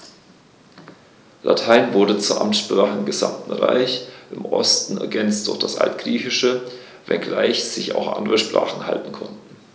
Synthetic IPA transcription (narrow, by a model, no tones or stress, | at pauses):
lʔa̰tʰaɪnvʊɐɾət͡suːɐʔamtʃpʁ̥aːχəɪmɡəza̰mtn̩ʁa̰ɪçʔɪmʔɔ̰stn̩ɛɐɡɛnt͡st̚d̥ʊ̰ɐçd̥asʔa̰ltɡ̥ʁiːçɪʃə | vɛ̰nɡlaɪçz̥ɪça̰ʊxʔa̰ndəʁəʃpʁ̥a̰ːχn̩ha̰ltn̩kʰɔntn̩